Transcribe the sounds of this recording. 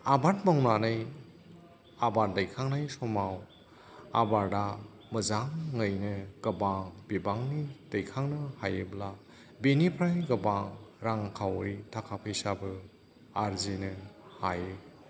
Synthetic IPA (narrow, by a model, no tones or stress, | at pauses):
abat̚mawnanɯj | abaɾdajkʰaŋnajsɔmaw | abaɾda | mɯzaŋːɯjnɯɡ̥ɐbaŋbibaŋnid̥ɯjkʰaŋnɯhajebla | benipʰɾajɡɯbaŋɾaŋkʰawɯjtʰakʰapʰɯjsabɯ | aɾzinɯhaje